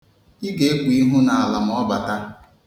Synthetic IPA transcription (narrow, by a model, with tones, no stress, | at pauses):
i˦ɡe˨˦e˦kʷu˨i˦ɦu˦na˨a˨la˨m̩˨ɔ˦ba˨ta˦